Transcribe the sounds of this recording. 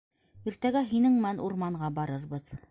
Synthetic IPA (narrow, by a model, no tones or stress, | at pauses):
iɾt̪æɡæɦinɘŋmænuɾmɑɴɢɑbɑɾɤɾbɤð